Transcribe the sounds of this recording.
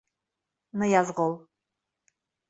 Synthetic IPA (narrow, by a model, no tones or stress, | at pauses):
nɨjazʁolˠ